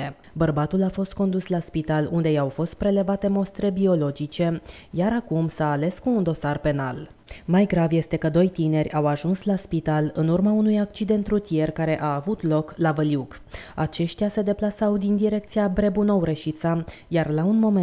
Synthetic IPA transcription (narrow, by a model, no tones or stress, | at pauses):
e | bərbat̪ulafo̞st̪̚ko̞nd̪uslaspit̪alund̪e̞jawfo̞st̪̚pɾe̞le̞vat̪e̞mo̞st̪ɾe̞bio̞lo̞d͡ʒit͡ʃe̞jaɾakumsaːle̞skuːnd̪o̞sarpe̞na̰l | majɡɾavje̞st̪e̞kəd̪o̞jt̪ine̞rʲawaʒunslaspit̪alɨnurmaunujak̚t͡ʃid̪e̞nt̪rɾut̪ije̞rkaɾe̞ʔaːvut̪lo̞klavəljuk | at͡ʃe̞ʃt̪ijase̞d̪e̞plasawd̪ind̪iɾe̞k̚t̪sijabɾe̞buno̞wɾeʃit̪sa | jarlaunmo̞me